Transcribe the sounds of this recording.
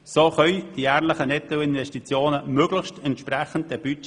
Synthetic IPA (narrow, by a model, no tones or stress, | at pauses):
soːχœʏd̥iæːɾləχənɛt̪əlɪnvɛʃtit͡sjoːnəmøɡ̥ləxʃtɛnt̪ʃprɛχənt̚d̥ɛb̥yt͡ʃ